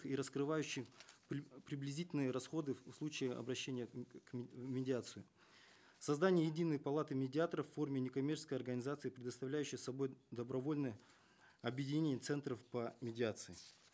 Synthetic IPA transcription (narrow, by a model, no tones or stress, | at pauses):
iɾəskɾɨvajʉɕːɪx | pɾʲɪblʲɪzʲitʲɪlʲnɨjəɾɐsxo̞d̪ɨfslˠut͡ɕɪjɪɐ̰bɾɐɕːenʲɪjəkmʲɪdʲɪat̪sɨjʊ | sɐzd̪anʲɪjəjɪdʲinːəjpɐlˠat̪ɨmʲɪdʲɪat̪əɾəfʲːo̞rmʲɪnʲɪkɐmʲert͡ɕɪ̥skəjɐrɡənʲɪzat̪sɨipɾʲɪd̪əst̪ɐvlʲæjʉɕːɪjsɐbo̞jd̪əbɾɐvo̞lʲnɨjə | ɐbjɪdʲɪnʲenʲɪət̪sɛnt̪ɾəfpəmʲɪdʲɪat̪sɨɪ